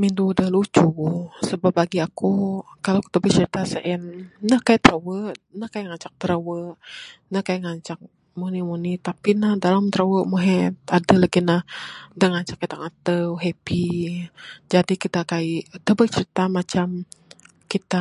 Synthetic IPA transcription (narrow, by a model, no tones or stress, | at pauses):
mind̪udəhlut͡ʃusəbapːaɡiakukaloki̥t̪abət͡ʃəɾit̪asəʔɛnːəhkajaʔt̪əɾəwəʔnəhkajaŋat͡ʃak̚t̪əɾəwəʔ | nəhkajaŋaɲt͡ʃak̚ | munimunit̪apinahdalamt̪ɾəwəʔmuɦɛt̪adəlaɡinahdəŋaɲt͡ʃakːit̪aŋat̪əwɦepi | d͡ʒadikit̪akaiʔt̪əbət͡ʃəɾit̪amat͡ʃam | kit̪a